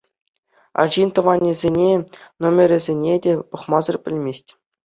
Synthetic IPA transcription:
ɑ̰ʑint̪ɤ̆ʋɑnʲːĭzʲenʲenomʲɘ̆ɾʲɘ̆zʲenʲedʲepɤ̆χmɑzɤ̆rpʲɘ̆lʲmʲesʲtʲ

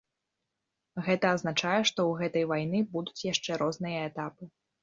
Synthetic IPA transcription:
ɣɛt̪ɐːznat͡ʂajɛʂt̪ɔwɣɛt̪ɐjvajnɨbud̪ut͡sʲjaʂt͡ʂɛɾɔznɨjɐɛt̪apɨ

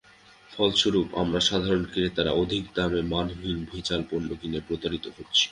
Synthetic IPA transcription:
fɔlʃuɾupa̰mɾaʃad̪ʱaɾonkɾiɾet̪aɾa̰od̪ʱik̚d̪amemanɦinbʱujt͡ɕalponːoɡinepɾot̪aɾit̪oɦotːɕʰi̥

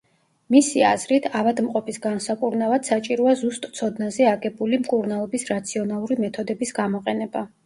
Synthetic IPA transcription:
misia̰zɾit̪ʰavad̪mqʼɔpʰisɡansakʼuɾnavad̪̥sat͡ʃʼiɾɔazust̪ʼt̪sʰɔd̪nazɛaɡɛbulimkʼuɾnalˠɔbisɾat̪sʰiɔnalˠuɾimɛt̪ʰɔd̪ɛbisɡamɔqʼɛnɛba

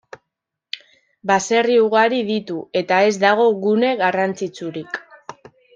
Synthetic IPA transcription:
base̞riuɣaɾiðit̪ue̞t̪ae̞zd̪aɣ̞o̞ɣune̞ɣarant͡sit͡suɾik

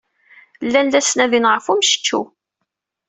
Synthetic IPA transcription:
lːænlæsnæðinʁəfumʃə̥t͡ʃːṵ

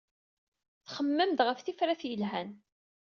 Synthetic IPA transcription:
θχəmːəmt̪ʁəfθifɾæθjəlɦæn

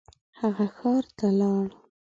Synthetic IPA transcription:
haɣaxɑɾt̪alɑɽ

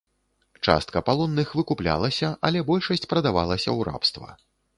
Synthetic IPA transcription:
t͡ʂa̰st̪̚kɐpalˠɔnːɨxvɨkuplʲa̰lˠɐsʲɐʔɐlʲɛbɔlʲʂɐsʲt͡sʲpɾɐd̪avalˠɐsʲɐ̰wɾa̰pst̪vɐ̰

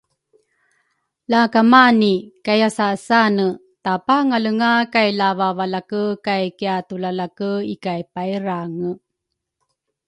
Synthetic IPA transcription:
lakamanikajasasanə | tapaŋaləŋakajlavavalakəkajkiatulalakəikajpajɾaŋə

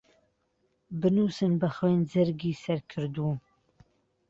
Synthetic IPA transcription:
bɨnuːsɨnbɐχweːnd͡zɨɾɡiːsɐɾkʰɨɾd̪uː

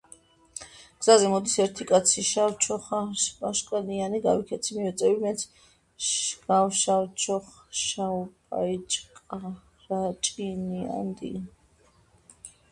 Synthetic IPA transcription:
ɡ̥z̥azɛmɔd̪isɛɾt̪ʰikʼat̪sʰiʃawt͡ʃʰɔχaʃpʼaʃkʼanianiɡawikʰɛt̪sʰimivɛt̪sʼɛbimɛnt̪sʰ | ɡ̥awʃawt͡ʃʰɔχʃaupʼa̰it͡ʃʼkʼa | ɾat͡ʃʼinia̰nd̪ḭ

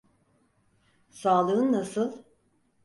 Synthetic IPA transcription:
saːlˠɯːnːasɯlˠ

